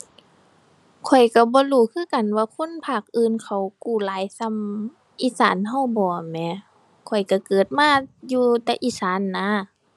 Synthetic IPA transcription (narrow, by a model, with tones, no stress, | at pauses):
kʰɔ˨˩jka˧˩bɔː˧˦luː˧˩˦kʰɯː˧˥˨ka˨nwaː˧˨kʰo˧˥˨npʰaː˧˩k̚ʔɯː˧˨nkʰa˧˩wkuː˧˩laː˨˦jsa˧˥˨m | ʔiː˧˨saː˨˦nɦa˧˩˨wbɔː˨˩˨mɛː˧˨ | kʰɔ˨˩jka˧˩kɤː˨˩t̪̚maː˧˥˨juː˧t̪ɛː˧ʔiː˧˨saː˨˦nːa˧˥